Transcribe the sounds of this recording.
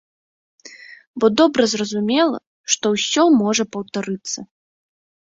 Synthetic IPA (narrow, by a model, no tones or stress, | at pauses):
bɔd̪ɔbɾɐzrɐzumʲɛlˠɐ̰ | ʂt̪ɔwsʲɔmɔʐɐpɐwt̪aɾɨt̪sːɐ